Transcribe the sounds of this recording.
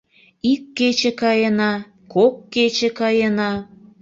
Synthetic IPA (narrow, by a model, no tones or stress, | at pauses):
ikːet͡ɕĕkɑjenɑ | kokːet͡ɕĕkɑjenɑ